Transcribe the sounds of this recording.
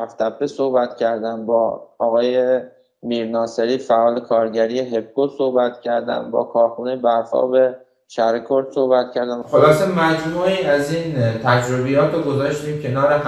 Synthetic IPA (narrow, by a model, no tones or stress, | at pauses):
æft̪æbʰːesohbæt̪cʰæɾd̪æmbɒːɒːɣɒːje̞ | miːɾnɒːseɾiːfæʔɒːle̞kʰɒːɾɟæɾiːjeɦe̞b̚ɡosohbæt̪cʰæɾd̪æ̰mbɒ̰ːkʰɒːɾxuːnejebæɾfɒ̰ːbe̞ | ʃæɾekʰoɾd̪̥so̞hbæt̪cʰæɾd̪æmxolɒːsemæd͡ʒmuːiːæziːnt̪ʰæd͡ʒɾobijɒːt̪ʰoɡozɒːʃt̪iːmcʰe̞nɒːɾe